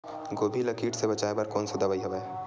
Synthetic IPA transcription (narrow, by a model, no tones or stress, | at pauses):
ɡoːbʱilɐkiːʈsebɐt͡ʃaːebɐɾkɔːnsed̪ɐbəiɦɐbeː